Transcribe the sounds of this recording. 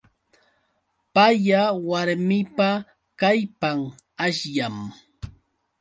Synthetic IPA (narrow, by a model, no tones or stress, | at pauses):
pajawaɾmɪpa | kajpaŋ | aʃjam